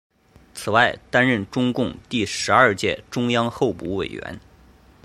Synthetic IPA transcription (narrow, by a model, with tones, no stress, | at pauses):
t͡sʰɹ̩˨˩wa˥˩ɪt̪a˥nɻə˥˩nʈ͡ʂʊ˥ŋkʊ˥˧ŋt̪i˥˩ʂɻ̩˧˥ɐ˞˥˧t͡ɕjɛ̰˥˧ʈ͡ʂʊ˥ŋjɑ˥ŋxo˥˧ʊpṵ˧˥we˨˩ɪɥɛ̰˧˥n